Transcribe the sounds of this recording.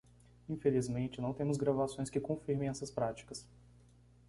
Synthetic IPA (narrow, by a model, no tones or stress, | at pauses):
ĩfelizmẽnt͡ʃɪnɐ̃w̃t̪ẽmʊzɡɾavasõj̃skɪkõfiɾmẽj̃ɛsɐspɾat͡ʃi̥kɐs